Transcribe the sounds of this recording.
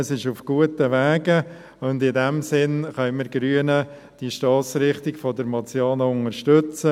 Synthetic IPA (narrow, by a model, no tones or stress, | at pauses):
əsɪʃʊfɡ̥uətəʋæːɡə | ʊndɪdɛmsɪnχœʏməɾɡɾyənə | d̥iʃtɑːt͡sɾɪχtɪɡfɔdəɾmɑt͡sjɑːnəʊŋəʃtʏt͡sə